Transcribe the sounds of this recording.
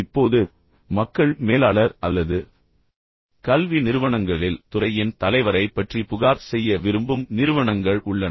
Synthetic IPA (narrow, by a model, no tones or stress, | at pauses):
ɪpːoːðɯ | mɐkːɐɭmeːlaːɭɐɾʔɐlːɐðɯ | kɐlʋinɪɾɯʋɐɳɐŋɡɐɭɪlt̪ʊrɐjɪnt̪ɐlɐɪʋɐɾɐɪpːɐʈripʊɣaːɾsɛjːɐʋɪɾɯmbɯmnɪɾɯʋɐɳɐŋɡɐɭʊɭːɐnɐ